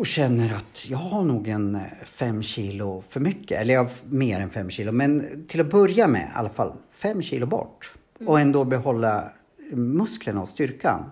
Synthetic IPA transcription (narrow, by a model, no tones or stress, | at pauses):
ɔɕɛnːəɾat̪jɑːɡhaɳuːɡɛnfɛmːɕiːlʊfœɾmʏkʰːə̰ɛlːəɾjɑhmeːɾɛnfɛmːɕiːlʊmɛnt̪ʰɪlɔbɵɾjamɛ̰a̰lːafa̰lfɛmːɕiːlʊbɔ̰ʈː | ɔɛnd̪oːbɛhɔlːa | mɵskləɳaɔst̪ʏɾka̰n